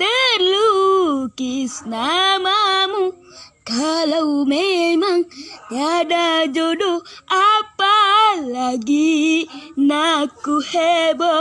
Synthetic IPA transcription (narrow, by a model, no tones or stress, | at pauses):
t̪eɾlukisnamamũ | kalɐwmemaŋt̪jad̪ad͡ʒoɖoapalaɡi | nakuhebo